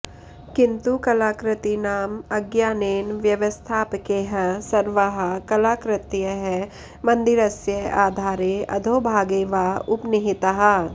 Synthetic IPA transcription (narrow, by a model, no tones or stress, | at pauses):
kɪ̃nt̪ukɐlaːkɾɪt̪inaːmɐɡjaːneːnʋjɐʋəst̪ʰaːpkeɦɐsɐɾʋəɦɐkɐlaːkɾɪt̪jəɦɛ | mɐ̃nd̪ɪɾɐsjəaːd̪ʱaːɾeɐ̰d̪ʱoːbʱaːɡeːʋaʊpnɪɦɪt̪əɦɐ